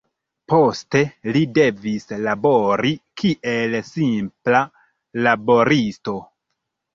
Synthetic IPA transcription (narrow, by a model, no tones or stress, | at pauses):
po̞ste̞lide̞vislabo̞ɾikʰiʔe̞lsimpla | labo̞ɾisto̞